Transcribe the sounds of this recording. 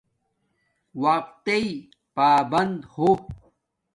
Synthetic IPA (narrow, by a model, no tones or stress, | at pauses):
waq̚t̪ei | paːbɐnd̪ho